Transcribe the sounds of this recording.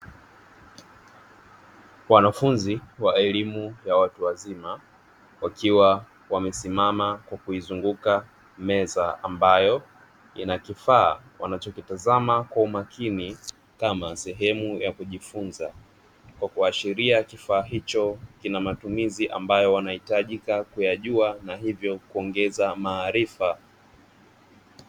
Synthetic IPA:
wanafunziwaɛlimujawatuwazima | wakiwa | wamɛsimamakwakuizuŋɡuka | mɛzaambajɔ | inakifaːwa̰nat͡ʃɔkitazamakwaumakʰini | kamasɛɦɛmujakuʄifunza | kwakuaʃiɾiakifaːɦit͡ʃɔkinamatumiziʔa̰mbajɔwanahitaʄikakujaʄuanaɦivjɔkuɔŋɡɛzamaːɾifa

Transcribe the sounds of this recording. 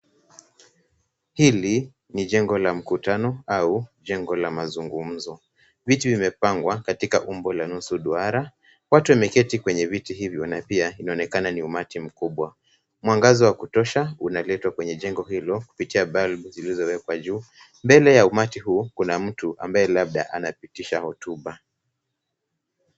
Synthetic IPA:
hili | niʄɛŋɡɔlam̩kutanɔauʄɛŋɡɔlamazuŋɡum̩zɔ | vitivimɛpaŋɡwakatikaʔumbɔlanusuɗuaɾa | watuwamɛkɛtikwɛɲɛvitiɦivjɔnapiainaɔnɛkananiumatim̩kuɓwa | mwaŋɡazɔwakutɔʃaunalɛtwakwɛɲɛʄɛŋɡɔɦilɔku̥pitiaɓalbuzilizɔwɛkwaʄuː | mbɛlɛjaumatiɦuːkunam̩tuʔa̰mbaɛlaɓ̚ɗaʔa̰napitiʃahɔtuɓa

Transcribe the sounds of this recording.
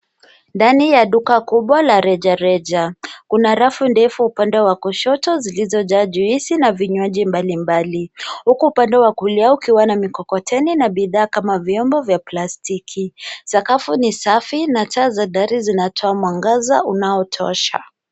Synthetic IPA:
ndanijaɗukakuɓwalaɾɛʄaɾɛʄakunaɾafundɛfuupandɛwakuʃɔtɔzilizɔʄaːʄuisinaviɲwaʄimbalimbalihukuːpandɛwakuliaukiwanamikɔkɔtʰɛninaɓiðaːkamaviɔmbɔvjaplastikʰisakafunisafinatʰaːzaɗaɾizinatʰɔamwaŋɡaza̰unaɔtʰɔ̰ʃa̰

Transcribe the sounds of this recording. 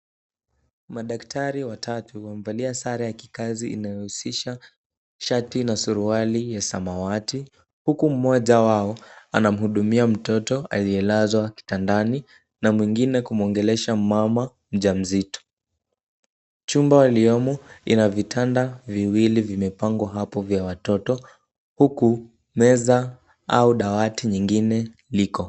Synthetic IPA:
maɗaktʰaɾiwatʰatuwamvaliasaɾajaki̥kaziḭnajɔhusiʃa | ʃatinasuɾualijasa̰mawati | hukum̩mɔʄawaɔanam̩huɗumiam̩tɔtɔʔaliɛlazwaki̥tandani | namwiŋɡinɛkum̩ɔŋɡɛlɛʃamama | m̩ʄam̩zitɔ̥ | t͡ʃumbawaliɔmɔinavitʰandaviwilivimɛpaŋɡwaɦapɔvjawatɔtɔ | huku | mɛza | auɗawatiɲiŋɡinɛ | likɔ

